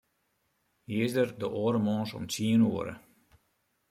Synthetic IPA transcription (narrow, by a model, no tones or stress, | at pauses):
hizdərdəʔoːɾəmɔːnsɔ̰mt͡siənuəɾə̰